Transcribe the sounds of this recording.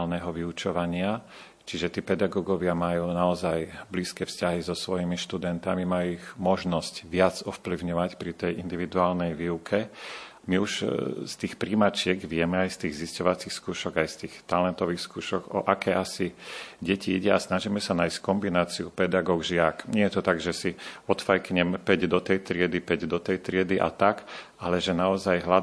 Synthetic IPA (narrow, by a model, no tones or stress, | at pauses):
lnɛɦɔʋiut͡ʃɔʋaɲɪa | t͡ʃiʒɛt̪iːpɛd̪aɡɔɡɔʋɪamajuːnaɔzajbliːskɛːfscaɦizɔsʋɔjimiʃt̪ud̪ɛnt̪amimajuiɣmɔʒnɔscʋɪad͡zɔfpliʊɲɔʋacpɾit̪ɛjʔind̪iʋid̪uaːlnɛjʋiːukʰɛ | miuʃst̪iːxpɾiːmat͡ʃɪɛɡʋɪɛmɛajst̪iːɣziscɔʋat͡sixskuːʃɔɡajst̪iːxt̪alɛnt̪ɔʋiːxskuːʃɔɡɔ̰ʔakɛːʔasiɟɛciiɟɛasnaʒiːmɛsanaːjsckɔmbinaːt͡siupɛd̪aɡɔːɡʒɪakɲɪɛjɛt̪ɔt̪aɡʒɛsiɔt̪fajkɲɛmpɛɟd̪ɔt̪ɛjt̪ɾɪɛd̪ipɛɟd̪ɔt̪ɛjt̪ɾɪɛd̪iʔa̰t̪ak | alɛʒɛnaɔzajɦla